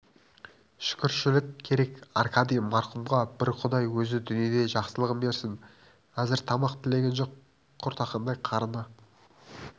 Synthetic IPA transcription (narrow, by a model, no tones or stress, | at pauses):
ʃʏ̥kʲɪɾʃɪlɪk̚kʲʰːe̞ɾe̞kɑrkɑd̪ijmɑɾqʊmʁɑbɪɾqʰʊd̪ɑjwɵzɪd̪ʏnije̞d̪e̞ʒɑqsəlˠəʁəmbe̞ɾsɪŋ | qɑzɪɾt̪ʰɑmɑqt̪ʰɪle̞ɡʲe̞nʒo̞qʰː | ʊɾt̪ɑqɑnd̪ɑjqʰɑɾənɑ